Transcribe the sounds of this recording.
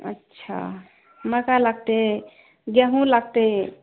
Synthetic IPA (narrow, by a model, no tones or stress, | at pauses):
ə̰tːʃʰa̰ | məkalaɡ̚t̪e | ɡeɦũlaɡ̚t̪e